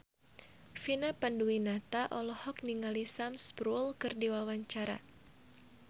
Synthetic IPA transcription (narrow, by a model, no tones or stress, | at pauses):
finapanduwinat̪aʔɔlɔhɔkniŋalisamspɾulkɨrdiwawaɲt͡ʃaɾa̰